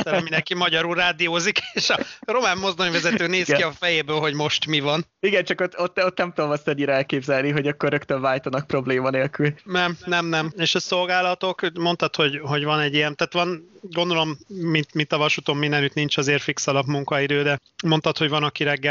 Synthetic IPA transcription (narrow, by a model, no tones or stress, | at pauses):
t̪ɛminɛŋkimɒɟɒɾulraːd̪ijoːzikeːʃɒro̞maːmːo̞zd̪oɲvɛzɛt̪øːneːskiɒfɛjeːbøːlɦo̞ɟmo̞ʃt̪mivɒn | iɡɛnt͡ʃɒkot̪ːot̪ːot̪nɛmt̪od̪omɒst̪ɛɲːiɾɒɛlkeːbzɛlniɦo̞ɟɒkːorːøkt̪øɱvaːjt̪ɒnɒk̚pɾo̞bleːmɒneːlkylnɛmnɛmnɛmeːʃɒso̞lɡaːlɒt̪o̞kmo̞nt̪ɒt̪ho̞ɟɦo̞ɟvɒnɛɟːijɛnt̪aːt̪ʋɒnɡond̪o̞lo̞mːint̪mint̪ɒvɒʃut̪o̞mːind̪ɛnyt̪nint͡ʃɒzeːrfiksɒlɒbmuŋkɒid̪øːd̪ɛ | mo̞nt̪ɒt̪ho̞ɟvɒnɒkiɾɛɡːɛ